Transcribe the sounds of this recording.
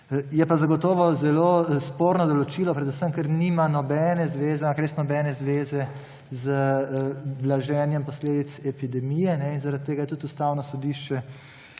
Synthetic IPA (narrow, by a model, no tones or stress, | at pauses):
jɛpazaɡɔt̪ɔːʋɔzɛlospoːɾnɔd̪ɔlɔt͡ʃiːlɔpɾɛd̪usəmkɛɾnimanɔbɛːnɛzʋeːzɛakɾest̪nɔbɛːnɛzʋeːzɛ | zə | blaʒɛːnjɛmpɔsleːd̪it̪sɛpid̪ɛmijɛnɛinzaɾat̪̚t̪ːeːɡajɛt̪ut̪ust̪aːwnɔsɔd̪iʃt͡ʃɛ